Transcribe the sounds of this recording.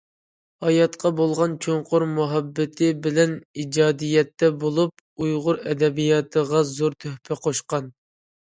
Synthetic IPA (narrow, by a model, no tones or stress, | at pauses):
hɑjɑt̪qɑbolˠʁɑnt͡ʃʰoɴqʰʊɾmuɦɛbːɪt̪ʰɪbɪlɛnid͡ʒɑːd̪ijɛt̪ːɛbolˠup̚ | ujʁʊɾɛd̪ɛbijɑt̪ʰəʁɑzoɾt̪ʰøhpʰɪqʰoʃqɑn